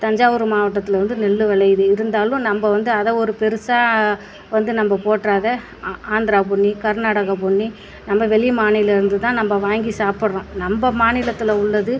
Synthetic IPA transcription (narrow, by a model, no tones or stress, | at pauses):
t̪ɐɲd͡ʒaːʋɯɾɯmaːʋɐʈːɐt̪ːɪlɐʋɐnd̪ɯnɛɭːɯʋɐɭɐɪjðɯɪɾɯnd̪aːlʊ̃nɐmbɐʋɐnd̪ɯɐðɐɔɾɯpɛɾɯsaː | ʋɐnd̪ɯnɐmbɐpoːʈɾaːðɐ | aːnd̪ɾaːp̬ʊɳːikɐɾnaːɽɐɣɐp̬ʊɳːi | nɐmːbɐʋɛɭɪjmaːnɪlɐɪɾɯnd̪ɯt̪ãːnɐmbɐʋaːŋɡisaːpɯɽɐɾʊ̃ːnɐmbɐmaːnɪlɐt̪ːɪlɐʊɭːɐðɯ